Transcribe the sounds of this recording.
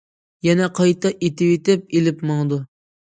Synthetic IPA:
jɛnɛqʰɑjt̪ʰɑʔet̪ɪwet̪ɪp̚elɪpmɑŋd̪u

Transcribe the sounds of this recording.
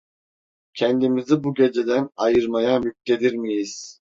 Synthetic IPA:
cʰɛnd̪imizibuɟe̞d͡ʒe̞d̪ænajɯɾmajajyk̚t̪e̞d̪iɾmijiz̥

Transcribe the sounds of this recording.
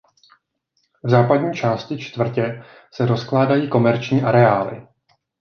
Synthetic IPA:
vzaːpadɲiːt͡ʃaːscɪt͡ʃt̪vr̩cɛ | sɛɾo̞sklaːdajiːko̞mɛɾt͡ʃɲiːʔaɾɛaːlɪ̰

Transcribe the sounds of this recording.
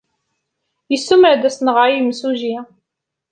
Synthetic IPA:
jəsːuməʕd̪æsnəʁʕajmsuʒi

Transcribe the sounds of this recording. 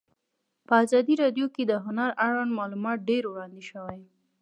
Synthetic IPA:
pəazɑd̪iɾɑɖjoked̪əɦʊnaɾaɽwanmɑlumɑt̪̚ɖeɾwɽɑnd̪eʃəwaj

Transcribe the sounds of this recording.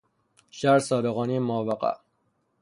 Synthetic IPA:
ʃæɾsɒːd̪eɣɒːnimɒːvæqæ̰ʔ

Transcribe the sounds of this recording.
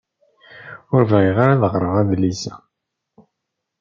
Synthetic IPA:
ʊɾvæiʁaɾaðəʁɾˤəʁæðlisæ

